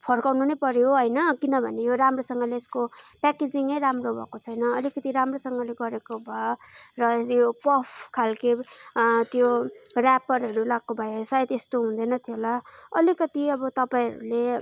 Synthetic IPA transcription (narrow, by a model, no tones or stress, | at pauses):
pʰʌrkawnunʌjpʌɾjoɦʌjnʌkinʌbʱʌnejoɾamrosʌŋɡʌleːskopaked͡ziŋʌjɾamrobʱʌ̰kot͡sʰʌjnʌʌlikʌt̪iɾamrosʌŋɡʌleɡʌɾekobʱʌjorʌjopʌpʰkʰalke | t̪jorapʌrɦʌɾulaɡ̚kobʱʌjsajt̪est̪oɦũnd̪ʌnʌt̪ʰijolaʌlikʌt̪iʌbʌt̪ʌpaĩɾṵle